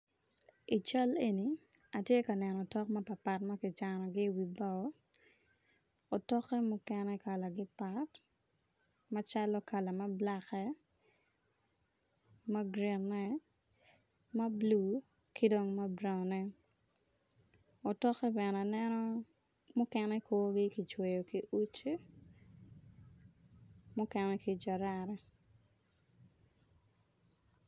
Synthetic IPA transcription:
i˨t͡ʃa˦le˦ni˨a˨tje˦ka˨nɛ˨nɔ˨tɔ˦kma˦pa˨pa˨tma˦kɪ˨t͡ʃa˨nɔ˨ɡɪ˦wi˨bɔ˨˦ | o˨tɔ˦kːɛ˦mʊ˦kɛnɛ˦ka˨la˨ɡɪ˦pa˦t | ma˦t͡ʃa˦lɔ˦ka˨la˨mɐ˦bla˦kɛ˦ | ma˦ɡɾi˨nːɛ˦ | ma˦blu˨ | ki˦do˦ŋma˦bɾa˨nɛ˦ | o˨tɔ˦kɛ˦bɛ˨na˨nɛnɔ˦ | mʊ˦kɛnɛ˦ko˦ɡɪ˦ki˨t͡ʃwe˨jo˨ki˦ʔu˦t͡ʃe˦ | mʊ˦kɛnɛkid͡ʒa˨ɾaɾɛ˦

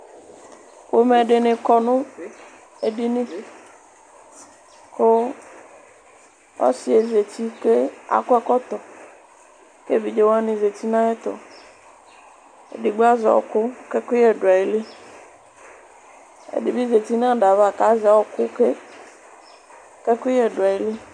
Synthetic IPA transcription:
ko˦me˨ɖɪ˨nɪ̃˨kɔ˨nʊ̃˦ | e˨ɖi˦nɪ̃˦ | kʊ˦ | ɔ̰˦sɪ˦e˨ze˨ti˦ke˦a̰˨kʊ˦ɛ˦kɔ˦t̪ɔ˨ | ke˦˨vi˨d͡ʒe˨wa˦nɪ̃˨ze˨ti˦nã˦ɛ˦t̪ɔ̰˨ | ḛ˨di˨ɡ͡ba˦za̰˨ɔ̰˨kʊ˦kɛ˦kɪ˦jɛ˨da˨i˨le˦ | ḛ˨di˨bi˦ze˨ti˦nã˦˨da˨va˨ka˨˦za˨˦ɔ˨kʊ˦ke˦ | kɛ˦ki˦jɛ˨dʊ˨a˨i˨li˦

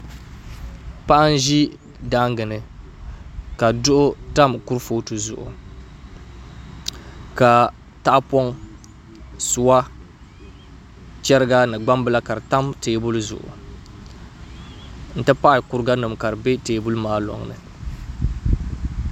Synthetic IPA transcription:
pa˦ʔa˦n̩˦ʒi˦ | da˦ŋ˦ɡɨ˨nɨ˨ | ka˨dʊ˦ʔʊ˦ta˦m˨ku˦ɾfoː˦tɨ˨zʊ̰˨ʔʊ̰˨ | ka˨ | ta˦ʔpɔ˦ŋ | sʊ˨˦wa˦ | t͡ʃɛ˦ɾɨ˦ɡa˦nɨ˨ɡ͡ba˦mbɨ˦la˦ka˨ɾɨ˨ta˦mteː˨˦bu˦lzʊ̰˨ʔʊ̰˨ | n̩˦tɨ˦pa˦ʔɪ˨ku˦ɾɨ˦ɡa˦nɨ˨mka˨ɾɨ˨be˦teː˨bu˦lmaː˦lɔ̰˨ŋnɨ̰˨

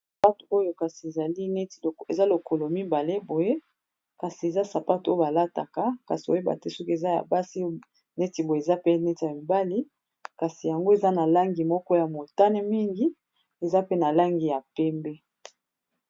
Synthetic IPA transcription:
sa˨pa˦tu˨o˦jo˨ka˨si˨e˨za˨li˦ne˦ti˨e˨za˦lo˨ko˨lo˨mi˦ba˨le˦bo˨je˦ | ka˨si˨e˨za˦sa˨pa˦to˦jo˦ba˨la˦ta̰˨ka˦ka˨si˨bo̰˨˦e˦ba̰˨tɛ˦sɔ˦ke˨za˦ja̰˨ba˦si˦ | ne˦ti˨bo˨e˨e˨za˦pe˦nɛ˦ti˨a˨mi˨ba˦li˦ | ka˨si˨ja˨ŋɡo˦e˨za˦na˨la˦ŋɡi˨mɔ˦kɔ˦ja˨mo˨ta˦nɛ˦mi˦ŋɡi˦ | e˨za˦pe˦na˨la˦ŋɡi˨ja˨pɛ˦mbɛ˦

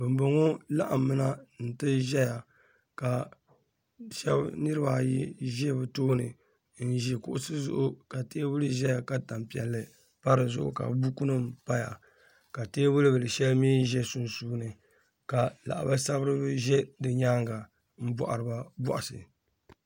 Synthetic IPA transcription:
bɨ˨mbɨ˨ŋo˦la̰˦ʔa˨mɨ˦na˦n̩˨tɨ˦ʒɛ˦ja˨ | ka˨ | ʃɛ˦bnɨ˦ɾɨ˦ba˨ji˦ʒɛ˦bɨ˨toː˦nɨ˨ | n̩˦ʒi˨kʊ̰˨ʔʊ˨sɨ˦zʊ̰˦ʔʊ˦ka˨teː˦wʊ˦lɨ˦ʒɛ˦ja˨ka˨ta˨mpi˨ɛ˨lːɨ˨ | pa˦ɾɨ˨zʊ̰˦˨ʔʊ̰˨ka̰˨˦bu˦ku˦nɨ˦mpa˦ja̰˨ | ka˨teː˦wʊ˦lɨ˦bɨ˨lɨ˨ʃɛ˦lmiː˦ʒɛ˦su˨nsuː˦nɨ˨ | ka˨la̰˨ʔa̰˨ba˦sa˦bɨ˦ɾɨ˦bɨ˦ʒɛ˦dɨ˨ɲaː˦ŋɡa˨ | m̩˦bɔ̰˨ʔa˨ɾɨ˨ba˦bɔ̰˦ʔa˨sɨ̰˨

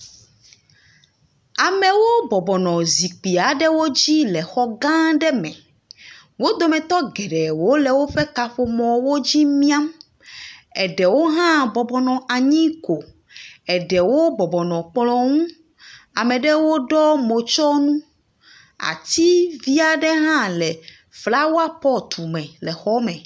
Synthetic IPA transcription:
a˨mɛ˨wo˦bɔ˨bɔ˨nɔ̃˨zi˨k͡pi˨a˨ɖɛ˦wo˦d͡ʑi˦lɛ˨xɔ˦ɡã˦ɖɛ˦mɛ̰̃˨ | wo˦d̪o˨mɛ̃˨t̪ɔ˦ɡɛ˨ɖɛ˨wo˦lɛ˨wo˦ɸɛ˦ka˨ɸo˨mɔ̃˨wo˦d͡ʑi˦mĩ˦a˦m | ɛ˨ɖɛ˨wo˦ɦã˦bɔ˨bɔ˨nɔ̃˨a˨ɲĩ˦ko˨ | ɛ˨ɖɛ˨wo˦bɔ˨bɔ˨nɔ̃˨k͡plɔ̃˨ŋũ˦ | a˨mɛ̃˨ɖɛ˦wo˦ɖɔ˦mo˨t͡ʃɔ˦nũ˦ | a̰˨t̪i˦vi˦a˨ɖɛ˦ɦã˦lɛ˨ | fla˦wo˦a˦pɔ˦t̪u˨mɛ̃˨lɛ˨xɔ˦mɛ̃˨

